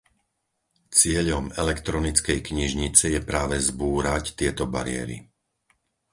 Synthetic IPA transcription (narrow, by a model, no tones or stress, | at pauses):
t͡sɪɛʎɔmɛlɛkt̪ɾɔnit͡skɛjkɲiʒɲit͡sɛjɛpɾaːʋɛzbuːɾact̪ɪɛt̪ɔba̰ɾɪɛ̰ɾḭ